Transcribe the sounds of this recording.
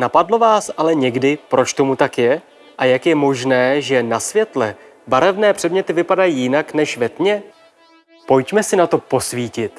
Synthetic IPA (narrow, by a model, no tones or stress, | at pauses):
napadlo̞vaːsʔalɛɲɛɡdɪpɾo̞t͡ʃt̪o̞mut̪akjɛ | ʔajakjɛmo̞ʒnɛːʒɛnasvjɛt̪lɛ | baɾɛvnɛːpr̝̥ɛdmɲɛt̪ɪvɪpadajiːjɪnaknɛʃvɛt̪ɲɛ | po̞jcmɛsɪnat̪o̞po̞sviːcɪt̪